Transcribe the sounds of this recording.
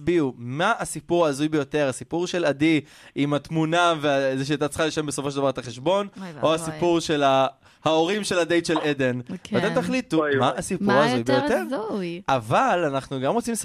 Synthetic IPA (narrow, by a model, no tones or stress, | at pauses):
biumaasipuʁaːzujbe̞jo̞t̪eʁasipuʁʃe̞lad̪i | imat̪munaveazeʃ̬eat̪̬at͡sχaliʃembeso̞fo̞ʃeldavaʁet̪aχeʃbo̞nʔo̞asipuʁʃe̞la | hao̞ʁimʃe̞lad̪ejt̪ʃeled̪e̞natemt̪aχlit̪umaːsipuʁaːzujbejot̪eʁjavalanaχnuɡamʁo̞t͡sims